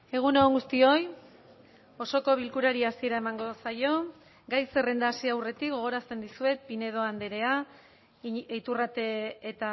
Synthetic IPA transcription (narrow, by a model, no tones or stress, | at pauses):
e̞ɣ̞unooŋɡust̪io̞j | o̞so̞ko̞β̞ilkuɾaɾiasie̞ɾae̞maŋɡo̞sajo̞ | ɡajse̞re̞nd̪aːsiawre̞t̪ik̚ɡo̞ɣ̞o̞ɾast̪e̞nd̪isue̞pine̞ð̞o̞and̪eɾe̞a | t̪urat̪e̞ːt̪a